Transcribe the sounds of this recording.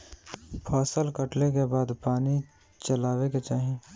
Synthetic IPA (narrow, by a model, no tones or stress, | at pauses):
pʰɔːsəlkəʈlekebaːd̪paːni | t͡ʃəlaːweket͡ʃaːɦẽː